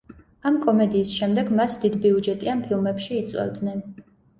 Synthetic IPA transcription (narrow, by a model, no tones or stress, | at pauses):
amkʼɔmɛd̪iːsʃɛmd̪ɛɡmasd̪id̪biud͡ʒɛt̪ʼianpʰilˠmɛpʃiːt̪sʼwɛ̰vd̪nɛn